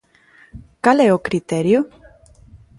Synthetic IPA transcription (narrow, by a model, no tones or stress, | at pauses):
kalɛokɾit̪eɾjo